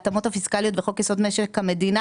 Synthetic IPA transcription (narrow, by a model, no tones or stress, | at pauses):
t̪amothafiskalijo̞t̪veχo̞kjesod̪meʃekhame̞dina